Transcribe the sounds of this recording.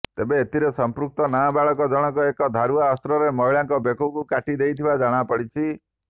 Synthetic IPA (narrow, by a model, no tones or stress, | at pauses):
t̪ebeːt̪iɾesɔmpɾuk̚t̪ɔnabaɭɔkɔd͡ʒɔɽ̃ɔkuekɔd̪ʱaɾuaɔst̪ɾɔɾemɔɦiɭaŋkɔbekukukaʈid̪ejt̪ʰibad͡ʒaɽ̃apɔɽit͡ʃʰi